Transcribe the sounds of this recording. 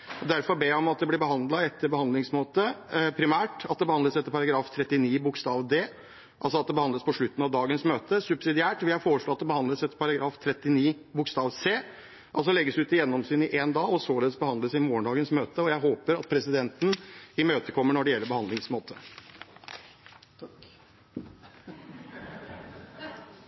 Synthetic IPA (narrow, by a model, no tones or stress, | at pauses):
d̪æɾfɔɾbeːjæɪɔmɑt̪̚d̪ɛblɪɾbəɦɑnd̪lɑɛt̪ʰːəɾbəhɑnd̪lɪŋsmoːt̪əpʰɾɪmæːʈɑt̪̚d̪ɛbəhɑnd̪əsɛt̪ːəɾpʰɑɾɑɡɾɑːft̪ʰɾɛt̪ːɪniːbʊkst̪ɑːʋd̪eː | ʔɑ̰lsɔɑt̪̚d̪ɛbəhɑnd̪ləspɔʂɭʉt̪ːn̩ɑʋd̪ɑːɡənsmøːt̪əsʉbsɪd̪ɪæːʈʋɪhɑfoːɾəʂɭoːɑt̪̚d̪ɛbəhɑnd̪ləsɛt̪ːəɾpʰɑɾɑɡɾɑːft̪ʰɾɛt̪ːɪniːbʊkst̪ɑːʋseː | ʔɑls̬ɔlɛɡːəsʉːt̪ɪjɛnːɔmsyːnɪʔend̪ɑːɔsoːləsbəhɑnd̪əsɪmoːəɳɖɑːɡənsmøːt̪əɔjæɪɦoːpəɾɑt̪̚pʰɾɛsɪd̪ɛnt̪n̩ɪmøːt̪əkʰɔmːəɳɔɖɛjɛlːəɾbəhɑnd̪ɪŋsmoːt̪ʰə